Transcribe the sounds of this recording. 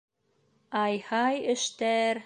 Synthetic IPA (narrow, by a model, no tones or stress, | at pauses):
ɑjhɑjɘ̆ʃt̪æɾ